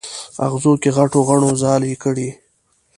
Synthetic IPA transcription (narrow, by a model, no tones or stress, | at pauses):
a̰ɣzokeɣaʈoɣaɳ̃ozɑːlikəɽi